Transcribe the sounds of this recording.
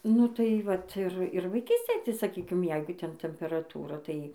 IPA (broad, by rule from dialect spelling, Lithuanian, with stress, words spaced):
ˈnʊ tɐɪ ˈʋɐt ˈɪr ˈɪr ʋɐɪˈkʲiːsʲtʲeːj tɐɪ sɐˈkʲiːkʲɪm ˈjɛɪɡʊ ˈtʲɛn tʲɛmʲpʲɛrɐˈtuːrɐ tɐɪ